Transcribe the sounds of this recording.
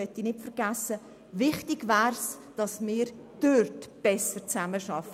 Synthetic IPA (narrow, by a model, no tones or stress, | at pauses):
œtinɪtfəɾɡ̥æsə | vɪχtɪɡvæːrs | d̥ɑsmɪːɾd̥ørtb̥ɛsəɾt͡sæməʃɑf